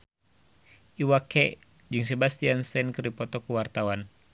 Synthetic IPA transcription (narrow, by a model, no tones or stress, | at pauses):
iwakɛ | d͡ʒɨŋsɛbast̪ianst̪ɛnkɨrdipɔt̪ɔkuwart̪awan